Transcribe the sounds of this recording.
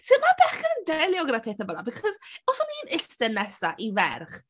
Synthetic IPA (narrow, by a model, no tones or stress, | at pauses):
simabɛχɡənəndɛlˠjɔɡədapʰeːθɛbɔnabikʰɔzɔsɔmiːnɪstɛnɛsaʔivɛ̰rχ